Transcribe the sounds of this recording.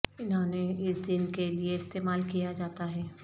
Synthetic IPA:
ɪnɦõːneɪsd̪ɪnkelieɪst̪eːmaːlkijad͡ʒaːt̪aɦɛː

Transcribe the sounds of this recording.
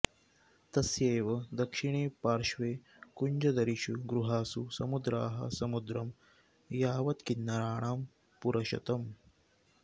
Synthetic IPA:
t̪ɐsjeːʋɐd̪ɐkʂiɳeːpaːɾʃʋeː | kuɲd͡ʒɐd̪ɐɾiʃuɡɾuɦaːsusɐmud̪ɾa̰ːɦɐ̰sɐmud̪ɾɐm | jaːʋɐt̪kinːɐɾaːɳaːm | puɾɐʃɐ̰t̪ɐm

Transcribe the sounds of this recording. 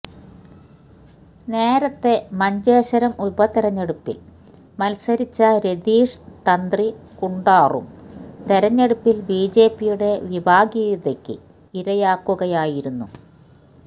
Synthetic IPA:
ne̞ːɾɐt̪ːe̞mɐɲd͡ʑeːɕɐɾɐmubɐt̪iɾɐɲːeɽupːḭl | mɐlsɐɾit͡ɕːɐɾe̞d̪iːʂt̪ɐnd̪rikuɳɖaːrṵmt̪e̞ɾɐɲːeɽupːilbiːd͡ʑe̞ːpːijuɽe̞ʋibʱaːɡiːðɐkʲːɨ̰ | iɾɐjaːkːuɣɐjaːjiɾunːu

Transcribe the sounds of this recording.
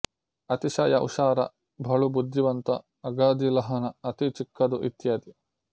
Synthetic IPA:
ɐt̪iʃɐjɐʔṵʃaːɾɐ̰ | bʱɐɭubud̪jiʋɐnt̪ɐ | ɐɡaːd̪ilɐɦɐnɐɐt̪it͡ʃikːɐd̪uʔit̪jɐd̪i

